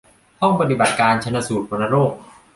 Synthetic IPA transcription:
t̪ɔ˥˩ŋpa˧t̪̬i˨˩ba˨˩t̪̚kaː˧nt͡ɕʰa˧na˧˥suː˨˩t̪̚pʰo˧na˧ɾoː˥˩k̚

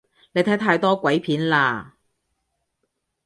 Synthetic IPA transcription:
ne˨˧jt̪ʰɐ˨˥t̪ʰaː˧jt̪ɔː˥kʷɐ˨˥jpʰiː˨˥nlaː˧

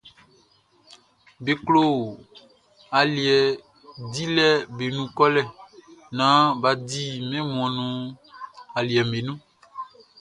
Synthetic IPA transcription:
be˨klo˦˨ | a˨li˨ɛ˨ | di˦lɛ˦be˨nũ˦kɔ˦lɛ˨nã˨˦ba˨di˦mɛ̃˦mũ˨ɔ̃˨nũ˦ | a˨li˨ɛ˨me˨nũ˦

